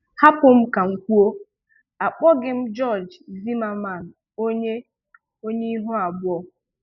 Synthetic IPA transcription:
ha˦pʊ˦m̩˦ka˨ŋ̩˨kʷu˦o˦ | a˨k͡pɔ˦ɡɪ˦m̩˦d͡ʒɔ˦˨d͡ʒzi˦ma˦ma˦˨n̩˨ | o˦ɲe˦ | o˦ɲe˦i˦ɦo˦a˨bʊ˦ɔ˦

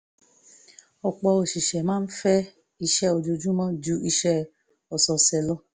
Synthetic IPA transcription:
ɔ˨k͡pɔ˧o˨ʃi˨ʃɛ˨mãː˦n̩˦fɛ˦ | i˧ʃɛ˦o˧d͡ʒo˧d͡ʒũ˦mɔ̃˦d͡ʒu˨˦i˧ʃɛ˦ | ɔ˨sɔ˧sɛ˧lɔ˦

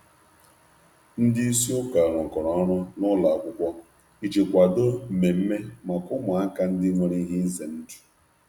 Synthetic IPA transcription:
n̩˦dɪ˦i˦si˦ʊ˦ka˨ɾɔ˨kɔ˨ɾɔ˨˦ɾɔ˦nʊ˦la˨a˨kʷʊ˦kʷɔ˦ | i˦d͡ʒe˨kʷa˨do˦˨me˨m̩˦me˦ma˨kʊ˦mʊ˨a˦ka˦n̩˦dɪ˦ŋo˨ɾi˦ɦi˦ze˨n̩˦d͡ʒu̥˨

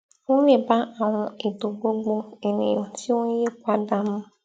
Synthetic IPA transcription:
wʊ̃˦e˨ba˦a˨wʊ̃˦e˨do˨ɡ͡bo˦ɡ͡bo˦e˨nḛ̃˨m˨si˦wʊ̃˦je˦kʷa˦da˦mʊ̃˦

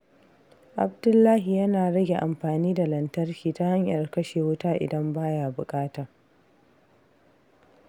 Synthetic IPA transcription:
ʔa˨bdʊ˦lːaː˦ɦi˨jɐ˦naː˨ɽɐ˦ɡʲe˨ʔa˨mɸaː˨niː˦da˨lɐ˨ntɐ˦rkʲiː˨ta˦ha˦ɲjɐ˨rkɐ˦ʃeː˨wʊ˦taː˦ʔɪ̰˨dɐ˦mbaː˦jaː˨bʊ˨kʼaː˦taː˨

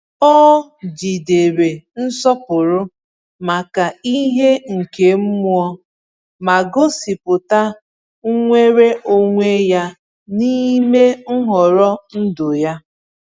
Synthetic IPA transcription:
ɔ˦d͡ʒi˨de˨ɾe˨n̩˦sɔ˦pʊ˨ɾʊ˦ | ma˨ka˨i˦ɦe˦ŋ̩˨ke˨m̩˦mu˦ɔ˦ | ma˨ɡo˦si˨pʊ˨ta˦ | ŋ̩˦ŋʷe˦ɾe˦ʔo˦ŋʷe˦ja˦ | ni˦me˦ŋ̩˦ɦɔ˨ɾɔ˦n̩˦do˨ja˦

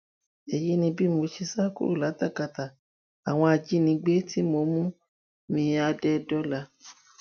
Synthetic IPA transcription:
ɛ˨ji˦nĩ˧bi˦mo˧ʃi˧sa˦kṵ˦ɾṵ˦˨la˨˦ta˦˨ka˧˨ta˨ | a˨w̃ɔ̃˧a˧d͡ʒi˦nĩ˧ɡ͡be˦ti˦mo˧mũ˦ | mĩ˧a˧dɛ˦˨dɔ˦la˧

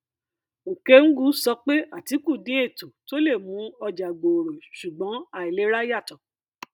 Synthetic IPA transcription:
o˨ke˦ŋ̩˦ɡu˨˦sɔ˧˦k͡pe˦ʔa˦˨ti˨˦ku˦˨dĩ˨˦e˦˨to˨to˦le˦˨mũ˨˦ɔ˧d͡ʒa˨ɡ͡bo˨o˨ɾo˨ʃu˨ɡ͡bɔ̃˨˦a˦˨i˨le˨˦ɾa˦ja˦˨tɔ̃˨

